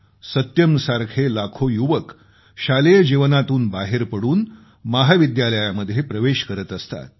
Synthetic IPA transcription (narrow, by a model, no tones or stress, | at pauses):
sət̪jəmsaɾkʰelakʰojuʋək | ɕalejəd͡ʑiʋənat̪uːnbaɦeɾpəɽuːn | maɦaʋid̪jaləjaməd̪ʱjepɾəʋeɕkəɾət̪əst̪a̰t̪̚